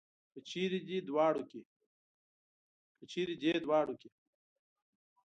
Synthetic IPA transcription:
pət͡ɕʰiːɾid͡ʑid̪waːɽuke | kət͡ɕʰiːɾid͡ʑeːd̪waːɽuke

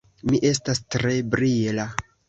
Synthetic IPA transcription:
miʔe̞s̬tastɾe̞bɾila

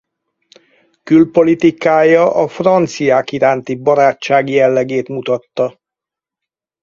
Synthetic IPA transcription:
kylpo̞lit̪ikaːjɒʔɒfrɒnt̪sijaːkiɾaːnt̪ibɒɾaːt͡ʃːaːɡjɛlːɛɡeːt̪mut̪ɒt̪ːɒ

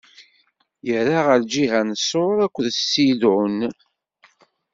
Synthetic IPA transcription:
jəɾaʁəɾd͡ʒiɦænsˤoɾˤækʷːəðsidʊn

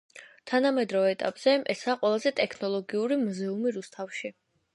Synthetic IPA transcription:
t̪ʰanamɛd̪ɾɔvɛɛt̪ʼapʼz̥ɛɛsaːqʼwɛlˠazɛt̪ʼɛkʰnɔlˠɔɡiuɾimuzɛumiɾust̪ʰafʃi

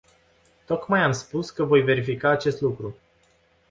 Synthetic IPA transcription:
t̪o̞kmajamspuskəvo̞jve̞ɾifikaːt͡ʃe̞st̪lukɾu

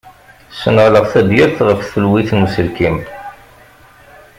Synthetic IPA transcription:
sənʁləʁθæd̪jəɾθʁəfθəlwiθnəsəlkim

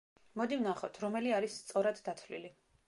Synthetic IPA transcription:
mɔd̪ivnaχɔt̪ʰɾɔmɛliaɾisːt̪sʼɔɾad̪ːat̪ʰvlḭli

